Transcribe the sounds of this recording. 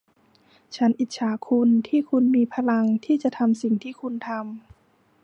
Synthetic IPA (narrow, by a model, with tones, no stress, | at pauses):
t͡ɕʰa˦˥nʔi˨˩t̪̚t͡ɕʰaː˩˦kʰu˧nt̪ʰiː˥˩kʰu˧nmiː˧pʰa˧la˧ŋt̪ʰiː˥˩t͡ɕa˨˩˦t̪ʰa˧msi˨˩ŋt̪ʰiː˥˩kʰu˧nt̪ʰa˧m